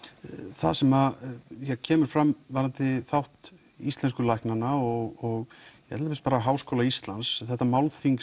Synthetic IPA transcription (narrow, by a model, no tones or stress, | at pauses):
θa̰ðsɛmaðjɛɣcʰɛːmʏɾ̥fɾamvaɾant̪ɪθawht̪ | ist̪lɛnskʏlajknanaɔɣɔɣjɛɛt̪lavɛspaːɾaɦaːwskowlaist̪lansθɛht̪ːamawlθiŋk